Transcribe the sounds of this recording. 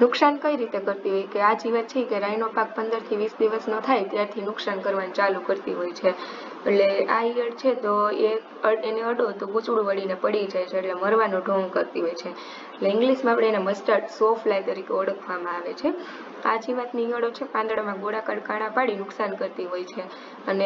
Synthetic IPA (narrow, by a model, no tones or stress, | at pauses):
nʊksankəiɾit̪ekəɾt̪iɦojkead͡ʒiʋat̪t͡ʃʰiekeɾainopak̚pənd̪əɾt̪ʰiʋisd̪iʋəsnət̪ʰajt̪jaɾt̪ʰinʊksankəɾʋant͡ʃalukəɾt̪iɦojt͡ʃʰe | eʈleaiəɽt͡ʃʰet̪oekəeneəɖot̪oɡut͡ʃuɽʋəɽinepəɽid͡ʒajt͡ʃʰeːʈleməɾʋanõɖʱoŋɡkəɾt̪iɦojt͡ʃʰeː | ʈleɪ̃ŋɡliʃmãapɽeenaməsʈəʈsoflajt̪əɾikeəɽəkʰʋamãaʋet͡ʃʰe | a̰d͡ʒiʋət̪nijəɽot͡ʃʰepãnd̪ɽamãɡoɽakaɽkaɽ̃ãpaɽinʊksankəɾt̪iɦojt͡ʃʰe | əne